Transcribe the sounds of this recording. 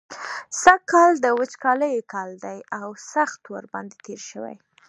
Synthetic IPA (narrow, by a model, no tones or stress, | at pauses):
sakːɑld̪əwət͡ʃkɑləjkɑld̪ajawsaxt̪wəɾbɑ̰nd̪et̪eɾʃəwa̰j